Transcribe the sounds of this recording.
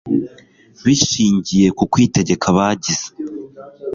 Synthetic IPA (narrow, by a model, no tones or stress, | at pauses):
βiʃiːɲɟije̞kukwiːte̞ɟe̞kʰaβaːɟiz̥e̥